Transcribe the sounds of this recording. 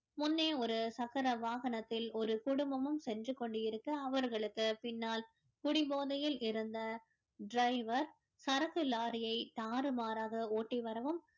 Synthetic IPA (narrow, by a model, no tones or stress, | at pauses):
mʊnːeːɔɾɯsɐɣɐɾɐʋaːɣɐnɐt̪ːɪlɔɾɯkʊɽɯmbɐmɯmsɛndrɯkːɔɳɖɯjɪɾɯkːɯɐʋɐɾɣɐɭɯkːɯpɪnːaːl | kʊɽɪboːðɐjɪlɪɾɯnd̪ɐ | ɖɾɐɪʋɐɾ | sɐɾɐɣɯlaːɾɪjɐɪt̪aːɾɯmaːɾaːɣɐoːʈːiʋɐɾɐʋɯm